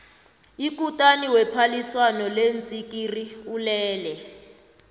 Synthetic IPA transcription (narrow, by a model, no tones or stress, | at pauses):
ik̬utʼaniwɛpʰaliswanɔlent͡sʼikʼiriulɛːlɛ